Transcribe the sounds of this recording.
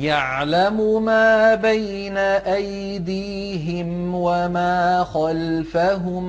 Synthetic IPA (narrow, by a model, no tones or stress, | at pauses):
jaʕlamʊmaːbaj | naʔaj | d̪iː | ɦɪm | wamaːxalfaɦʊm